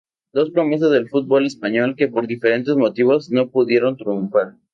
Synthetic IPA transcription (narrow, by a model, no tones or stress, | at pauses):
d̪o̞spɾo̞mes̬azðe̞lfut̪̚bo̞le̞spaɲo̞lke̞po̞ɾðife̞ɾent̪e̞zmo̞t̪iβ̞o̞zno̞puðje̞ɾo̞nt̪ɾijuɱfaɾ